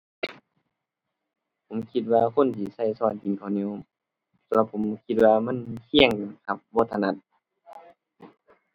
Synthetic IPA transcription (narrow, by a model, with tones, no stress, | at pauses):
pʰo˨˦mkʰi˧t̪̚waː˧kʰo˧˥˨nt̪ʰiː˧˦sa˧˩jsɔː˧˩nt͡ɕi˨ŋkʰa˧˩wni˧˥˨w | sa˧mla˧p̚ʰo˨˦mkʰi˧t̪̚waː˧ma˧˥˨nkʰi˧˥˩əŋ˨˩ka˧p̚bɔː˧˩˨t̪ʰːa˧na˧˥t̪̚